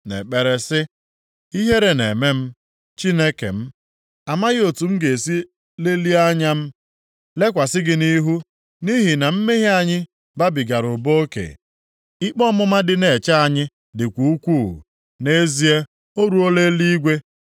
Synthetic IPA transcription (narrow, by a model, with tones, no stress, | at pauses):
nḛ˨k͡pe˨ɾe˦sɪ˦ | i˦ɦe˦ɾe˨ne˨me˦m̩˦ | t͡ʃi˦ne˦kḛ˨m̩˦ | a˨ma˦ɣɪ˦o˨tu˨m̩˦ɡe˨si˦ | le˦li˦a˦ɲa˦m̩˦ | le˦kʷa˨sɪ˦ɡɪ˦ni˦ɦu˦ | ni˦ɦi˨na˨m̩˦me˦ɦi˦a˨ɲɪ˦ | ba˦bi˨ɡa˨ɾʊ˨bo˦o˦kḛ˨ | ɪ˦k͡pɔ˦mʊ˦ma˦dɪ˦ne˨t͡ʃa˦a˨ɲɪ˦ | dɪ˨kʷu˨u˦kʷṵ˦˨ | ne˦zi˦e˦ | o˦ɾu˨o˦le˦li˦i˦ɡʷe˦